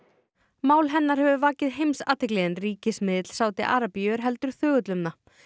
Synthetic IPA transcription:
maːwlɦɛnːaɾ̥hɛvʏvaːcɪðɦejmsa̰ːt̪ɪkleːðɪnriːcɪsmɪːðɪt̪l̥saːwt̪ɪʔa̰ːɾapjʏɾɦɛlt̪ʏɾ̥θœːɣʏt̪lʏmna

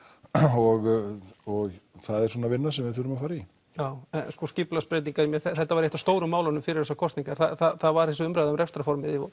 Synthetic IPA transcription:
ɔɣɔɣθaðɛɾ̥swɔːnavɪnːasɛmvɪθʏɾʏmafaːɾai | jaːwɛnskɔscɪplaspɾeːjt̪niŋkaimjɛθɛθɛht̪ːavaɾejht̪ast̪oːwɾʏmːaːwlanʏmfɪɾɪɾ̥ðɛsakʰɔst̪niŋkaɾ̥θaθaθaðvaɾ̥hɛlsʏʏmpɾajðaʏmrɛfst̪ɾafɔɾmɪðɪ

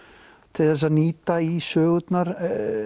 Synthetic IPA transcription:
t̪ʰeðas̬aniːt̪aisøːwd̪naɾ

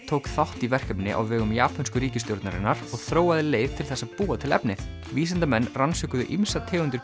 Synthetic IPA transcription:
t̪ʰoːwkθawht̪ivɛr̥kɛmnɪʔa̰wvɛːɣʏmjaːpʰanskʏɾiːcɪst̪jowɾt̪naɾɪ̰nːaɾ̥ɔɣθɾoːwaðɪleːjv̥t̪ʰɪlθɛsːaðpuːat̪ʰɪlɛ̰pnɪ | viːsant̪amɛnːransʏkʏðʏ̰ʔimsat̪ʰɛːɣʏnt̪ʏɾ

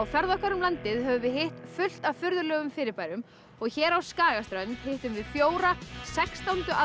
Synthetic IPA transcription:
wfɛɾðɔhkaɾʏmlant̪ɪðɦœvʏvɪɦeht̪fʏl̥t̪afʏɾðʏlœːɣʏmfɪːɾɪɾpaːjɾʏm | ɔɣçɛːɾawskaːɣast̪ɾœnt̪heht̪ʏmvɪðfjoːwɾasɛkst̪awnt̪ʏʔa

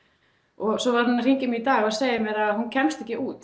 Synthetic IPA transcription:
ɔɣsɔvaɾhunr̥iɲcɪmɪit̪aːɣaðseːjɪmɛɾaðhuncʰɛmst̪ɛhcːɪʔuːt̪

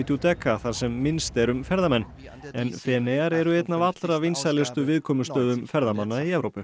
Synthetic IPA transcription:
t̪ut̪ɛkːaθaɾ̥sɛmːɪnst̪ɛɾʏmfɛɾðamɛnː | ɛnfɛːnejaɾɛɾʏɛjt̪navat̪lɾavejnsalɛst̪ʏvɪðkʰɔːmʏst̪œːðʏmfɛɾðamanːaiɛvɾowpʏ

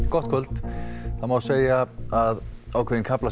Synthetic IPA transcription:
kɔht̪̚kʰʏlt̪θamawseːjaaðawkʰeðinkʰapla

